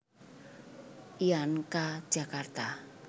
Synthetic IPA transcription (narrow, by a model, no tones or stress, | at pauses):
ʔiankḁʒ̥akart̪a